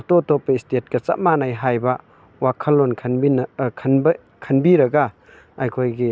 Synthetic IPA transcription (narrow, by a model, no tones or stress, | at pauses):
totopeistet̚kɐt͡ʃa̰t̚manajɦajbɐ | wakʰɐlːonkʰnbinʰnb | kʰɐnbiɾɐɡa | ajkʰojɡi